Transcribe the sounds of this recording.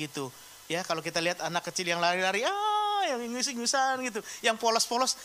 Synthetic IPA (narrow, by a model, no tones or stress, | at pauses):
it̪u | jakalokit̪aliɦat̪anakːət͡ʃɪljaŋlaɾilaɾiajaŋŋusiŋusanɡit̪̬ujaŋpolɔspɔlɔs